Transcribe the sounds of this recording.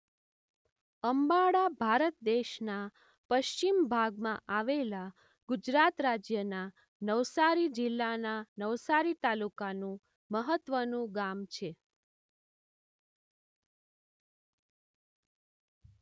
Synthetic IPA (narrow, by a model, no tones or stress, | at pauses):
əmbaɽabʱaɾət̪̚d̪eʃna | pəʃt͡ʃimbʱaɡmãʔaʋela | ɡud͡ʒɾat̪ɾad͡ʒjəna | nəʋsaɾid͡ʒɪlːananəʋsaɾit̪alukanũ | məɦət̪ʋənũɡamt͡ʃʰe